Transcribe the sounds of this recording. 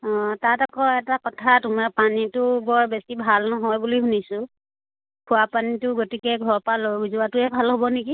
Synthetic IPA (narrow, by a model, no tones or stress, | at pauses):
ɔ̃tatɔkɔɛtakɔtʰatʊmaɹpanitʊbɔɹbesibʱalnɔɦɔjbuliɦunisʊ̃ | kʰʊapanitʊɡotikɛɡʱɔɹpalozuatʊɛbʱalɦobɔneki